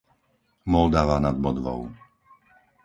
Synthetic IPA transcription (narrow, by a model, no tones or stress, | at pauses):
mɔld̪aʋanad̪̚bɔd̪ʋɔ̰ʊ